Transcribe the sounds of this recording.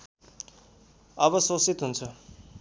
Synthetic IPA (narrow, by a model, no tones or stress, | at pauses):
ʌbʌsosit̪ɦunt͡sʰʌ